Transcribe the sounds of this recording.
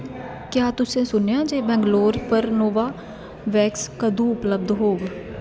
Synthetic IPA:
kjaːt̪ʊsẽːsʊnjãːd͡ʒeːbɛ̃ːŋɡloːɾpəɾnoːʋaː | ʋɛːkskəd̪ũːʊpləb̚d̪ɦoːɡ

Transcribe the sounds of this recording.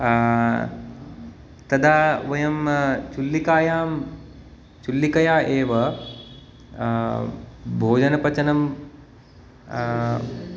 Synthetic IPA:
t̪ɐd̪aːʋɐjɐmt͡ʃulːikaːjaːm | t͡ʃulːikɐjaːʔeːʋɐ | bʱoːd͡ʒɐnɐpɐt͡ʃɐnɐm

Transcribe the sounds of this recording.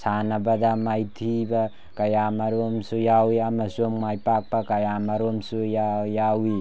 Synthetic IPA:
sanɐbɐdamajtʰibɐ | kɐjamaɾomsujawiamɐsommajpak̚pɐkɐjamaɾomsujajawi

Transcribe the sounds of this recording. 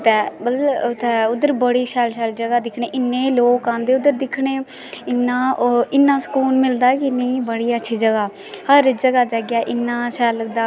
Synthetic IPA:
t̪ɛːbəlt̪ɛʊd̪əɾbəɽiːʃɛːlʃɛːld͡ʒəɡaːd̪ɪkʰɳeːʔɪnːẽːloːkãːnd̪eːʊd̪əɾd̪ɪkʰɳeː | ɪnːãːɪnːãːsə̥kuːnmɪld̪aːkɪnːebəɽiːətːʃʰiːd͡ʒəɡaː | həɾd͡ʒəɡaːd͡ʒəɡjaːʔɪnːãːʃɛːləɡd̪aː

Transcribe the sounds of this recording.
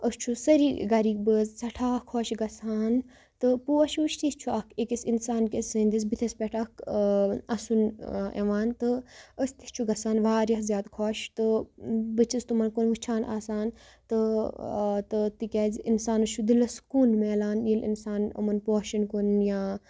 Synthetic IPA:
əst͡ʃʰusəɾiɡɐɾik̚bəzsɐʈʰaːkʰoːʃɡɐsaːn | t̪ɨpuʃʋuʃt̪ist͡ʃʰuɐkʰekisinsaːnkʲesənd̪is̬bit̪ʰɐspɛʈʰɐk | ɐsunḛʋaːnt̪ɨəst̪isʲt͡ʃʰuɡɐsaːnʋaːɾjɐkzʲjaːd̪kʰoːʃt̪ɨbɨt͡ʃʰist̪umɐnkonʋɨt͡ʃʰaːnʔa̰ːsaːn | t̪ɨ | t̪ɨt̪ikʲaːzinsaːnɨt͡ʃʰud̪ilɐskuːnmeːlaːnjilḭnsaːnɐ̰mɐnpoːʃɐnkunjaː

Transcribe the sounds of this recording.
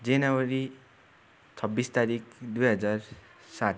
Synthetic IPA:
d͡zenawʌɾi | t͡sʰʌbːist̪aɾikd̪ujɦʌd͡zar | sat̪

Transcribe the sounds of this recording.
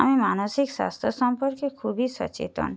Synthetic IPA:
amimanoʃikswa̰st̪ʰosɔmpɔɾkekʰubiʃɔ̰t͡ɕḛt̪o̰n

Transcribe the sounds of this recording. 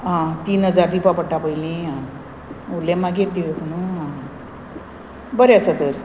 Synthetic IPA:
ãt̪iːnɦəd͡zaɾd̪ʱipapəʈʰːapəilĩɦã | ulːemaɡeʈ̚d̪iʋekuɳ̃ũɦã | bəɾeasət̪əɾ

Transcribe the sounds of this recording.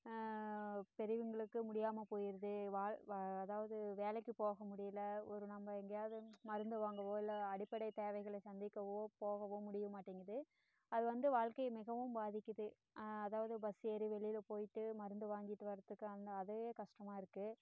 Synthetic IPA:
pɛɾɪʋɯŋɡɐɭɯkːɯmʊɽɪjaːmɐpoːjɪɾɐðɯʋaːɐðaːʋɐðɯʋeːlɛkːɯpoːɣɐmʊɽɪjɪlɐɔɾɯnɐmbɐɛŋɡɐjaːðɯmɐɾɯnd̪ɯʋaːŋɡɐʋoːɪlːɐːɽɪpːɐɽɐɪt̪eːʋɐɪɣɐɭsɐnd̪ɪkːɐʋoːpoːɣɐʋoːmʊɽɪjɯmaːʈːiːŋɡɾɐðɯ | ɐðɯʋɐnd̪ɯʋaːɭkɐɪmɪɣɐʋɯmbaːðɪkʲːɐðɯ | ɐðaːʋɐðɯbɐsɛɾiʋɛɭɪjɪlpoːjɪʈːɯmɐɾɯnd̪ɯʋaːŋɡɪʈːɯʋɐɾɐt̪ːɯkːɯɐnd̪ɐɐðɯɐeːkɐʂʈɐmaːɪɾɯkːɯ

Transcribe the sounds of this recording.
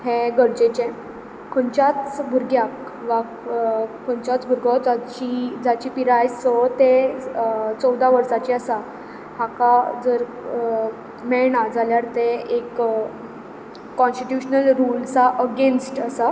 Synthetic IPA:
heɡəɾd͡ʑet͡ɕɛ̃ | kʰoɳt͡ɕat͡sbʱuɾɡjak | ʋakkʰɔɳt͡ɕat͡sbʱuɾɡɔd͡zat͡ɕid͡zat͡ɕiːpiɾajsɔt̪e | t͡sɔwd̪ʱaʋəɾsat͡ɕiəsa | hakad͡zəɾ | mɛɭɽad͡zʱaljaɾt̪eek | ɔ̃nsʈiʈjuɕnəlɾult͡saʔəɡensʈəsa

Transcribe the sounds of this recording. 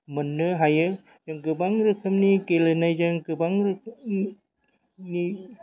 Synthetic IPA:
mənəɦajə | d͡ʒaŋkəbaŋɾəkʰəmnikelənajd͡ʒaŋkəbaŋɾəkʰm | ni

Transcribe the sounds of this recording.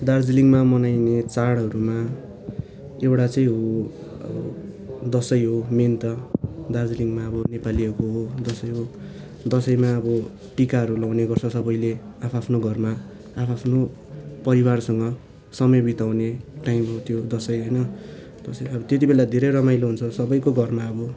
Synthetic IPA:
d̪ard͡ziliŋɡmamʌnajnet͡saɽɦʌɾuma | ewɽat͡sʌĩɦo | ʌ̰bʌ̰ | d̪ʌsʌjɦoment̪ʌd̪ard͡ziliŋɡmaʌbʌnepaliʌkoɦod̪ʌsʌjɦo | d̪ʌsʌjmaʌbʌ | ʈikaɦʌɾulawneɡʌrt͡sʰʌsʌbʌjleapʰapʰnoɡʱʌrma | apʰapʰno | pʌɾiwarsʌŋɡʌ | sʌmʌjbit̪aw̃neʈaimɦot̪jod̪ʌsʌjɦʌjnʌ | p̪ʌseʌbʌt̪et̪ibelad̪ʱeɾʌjɾʌmajloɦunt͡sʰʌsʌbʌjkoɡʱʌrmaʌbʌ

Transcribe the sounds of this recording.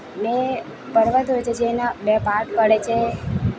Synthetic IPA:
ne | pəɽʋat̪ojt͡ʃʰed͡ʒenabɛpaɾʈpəɽet͡ʃʰe

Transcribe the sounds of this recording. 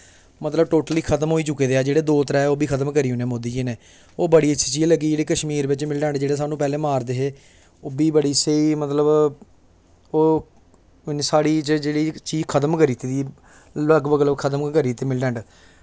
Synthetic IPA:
mət̪ləbʈoːʈəliːkʰət̪mɦoːiːt͡ʃʊkːeːd̪eːaːd͡ʒeːɽeːd̪oːt̪əɾaːɛoːbiːkʰət̪əmkəɾiːɦʊneːmoːd̪iːd͡ʒineː | oːbəɽiːət͡ʃʃʰiːt͡ʃiːləɡiːd͡ʒeːɽiːkəʃmiːɾʋɪt͡ʃmɪlɖɛ̃ːɳɖd͡ʒeːɽeːs̬aːnũːpɛːlẽːmaːɾd̪eːɦeː | oːbiːbəɽiːseiːmət̪ləb | oː | ɪnsaːɽiːt͡ʃd͡ʒeːɽiːt͡ʃiːd͡ʒkʰət̪əmkəɾiːt̪eːd̪iː | ləɡbəɡləbkʰət̪əmkəɾiːt̪eːmɪlɖɛ̃ːɳɖ

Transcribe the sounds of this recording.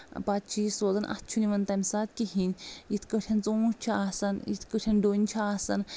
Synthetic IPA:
pat̪̚t͡ʃʰisoːzɐnʔɐ̰t̪̚ʰt͡ʃʰuniʋɐnt̪ɐmʲsaːt̪̚kiɦinʲjit̪ʰkətʲʰɐnt͡sũːt͡ʃʰiasɐnḭt̪ʰkəʈʲʰɐnɖonʲt͡ʃʰaaːsɐn

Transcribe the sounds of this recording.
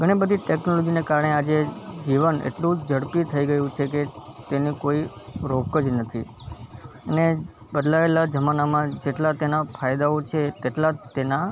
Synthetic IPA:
ɡʱəɽ̃ibəd̪ʱiʈeknolod͡ʒinekaɾəɳead͡ʒed͡ʒiʋənḛʈlũd͡ʒəɽpit̪ʰəiɡəjũt͡ʃʰeket̪enikoiɾokəd͡ʒnət̪ʰi | əne | bəd̪laelad͡ʒəmanamãd͡ʒeʈlat̪enafʰajd̪aot͡ʃʰet̪eʈlat̪ena

